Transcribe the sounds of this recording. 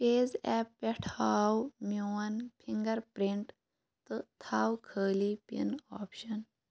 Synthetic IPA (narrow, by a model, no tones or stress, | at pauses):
peːzɛːpːɛʈʰaːwmuːɐnpʰiŋɡɐɾpɾiɳʈ | t̪ɨt̪ʰaːwkʰəːlipḭnɔːpʃɐn